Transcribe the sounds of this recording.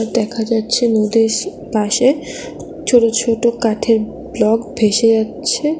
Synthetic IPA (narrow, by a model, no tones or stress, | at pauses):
d̪ɛkʰad͡ʑatːɕʰenod̪eʃ | paʃe | t͡ɕʰoʈot͡ɕʰoʈokaʈʰeɾ | blɔɡbʱeʃed͡ʑatːɕʰe